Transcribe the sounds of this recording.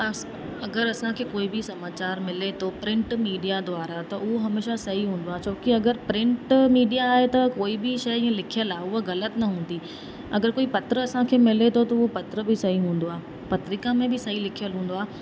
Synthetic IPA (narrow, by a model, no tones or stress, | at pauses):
ɐ | ɐɡəɾɐsãkʰeːkoːibɪsɐmaːt͡ɕaːɾmɪlet̪ʰopɾɪ̃ɳʈmiːɖijad̪oaːɾat̪ɐʔʊɦoɦɐmeːʃasɐɦiɦũːn̆d̪oaːt͡ɕʰoːkiɐɡəɾpɾɪ̃ɳʈmiːɖijaːɦet̪ɐkoːibɪʃɐj̃lɪkʰijəlaːʊɦoɣɐlət̪nɐɦũːnd̪i | ɐ̰ɡəɾkoːipɐt̪ɾəɐsãkʰeːmɪlet̪ʰot̪ɐʊɦopɐt̪ɾəbɪsɐɦiɦũːn̆d̪oaː | pɐt̪ɾɪkamẽbɪsɐɦilɪkʰijəlɦũːn̆d̪oaː